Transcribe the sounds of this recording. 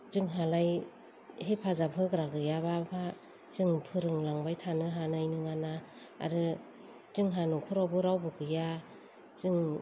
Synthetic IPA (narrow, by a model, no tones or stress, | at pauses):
zɯŋɦalaj | hepʰazapʰɯɡɾaɡɯjabapʰa | z̥ɯŋpʰɯɾɯŋlaŋbajtʰanɯɦanɯajnɯŋana | a̰ɾɯ | zɯŋɦanukʰuɾawbɯɾawbɯɡɯja | z̥ɯŋ